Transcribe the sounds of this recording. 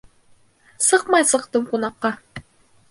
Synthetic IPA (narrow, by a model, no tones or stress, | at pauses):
sɤqmɑjsɤ̆qt̪ɤmqunɑqːɑ